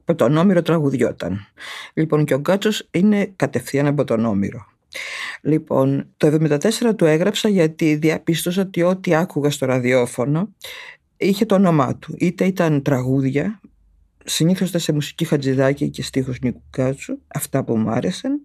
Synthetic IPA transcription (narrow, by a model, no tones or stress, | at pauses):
ɐpot̪o̞no̞miɾo̞t̪ɾɐɣuðʝo̞̰t̪ɐ̰nlipo̞ŋceo̞ɡɐt͡so̞sine̞kɐt̪e̞fθiɐnɐp̬o̞t̪o̞no̞mḭɾo̞ | lipo̞̰nt̪oevðo̞mind̪ɐt̪e̞se̞ɾɐt̪ue̞ɣɾɐpsɐʝɐt̪iðiɐpist̪o̞s̬ɐot̪io̞t̪iɐkuɣɐst̪o̞ɾɐðio̞fo̞no̞ | içe̞t̪oono̞mɐ̰t̪uʔit̪e̞it̪ɐnt̪ɾɐɣuðʝɐ | siniθo̞st̪esemusi̥cixɐd͡ziðɐcice̞st̪ixoznikuɡɐt͡suɐft̪ɐpumuɐ̰ɾesɐn